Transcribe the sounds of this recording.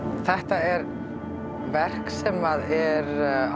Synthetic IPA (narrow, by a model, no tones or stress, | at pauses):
θɛht̪aɛɾ | vɛr̥ksɛmaðɛɾ